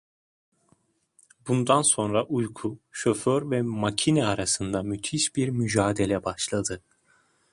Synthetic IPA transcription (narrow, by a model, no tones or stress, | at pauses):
bund̪anso̞nɾaʔujkʰuʃøføɾvɛmacʰinɛaɾasɯnd̪amyt̪ʰiʃbiɾmyd͡ʒaːd̪e̞lʲɛbaʃlˠad̪ɯ